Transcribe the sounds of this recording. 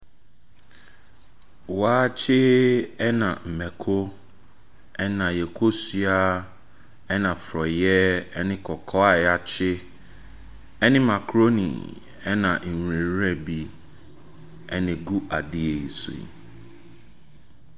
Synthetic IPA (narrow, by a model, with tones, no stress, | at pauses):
waː˦t͡ɕʰɪ˦ɛ˦nã˨m̩˨mɛ̃˨kʰo˦ | ɛ˦nã˨jɛ˨kʰo˦si˦a˦ | ɛ˦nã˨fɾɔ˨jɛ˦ɛ˦nɪ̃˦kʰɔ˨kʰɔ˦a˨ja˨t͡ɕʰɪ˦ | ɛ˦nɪ̃˦mã˨kʰɾo˦nḭ˨ | ɛ˦nã˨ŋ̩˨wĩ˨˦ɾɛ̃˦bi˦ | ɛ˦nɪ̃˨ɡu˦ʔa˨di˦e˨sṵ̃˨ḭ˨